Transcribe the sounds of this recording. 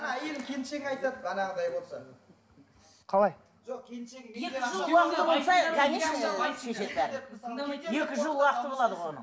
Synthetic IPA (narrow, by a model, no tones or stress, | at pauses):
nɑjelkʲʰenʃeŋɑjt̪ɑd̪əɑnɑʁəd̪ɑjbo̞lˠsɑ | qʰɑlˠɑj | ʒoqkʲenʃeŋekɪʒˠuɑqət̪əbo̞lˠsɑkʰæneɑkʰeʃet̪bæɾ | je̞kʲɪʒəlˠuwɑqət̪əbo̞lˠɑd̪əʁonə̰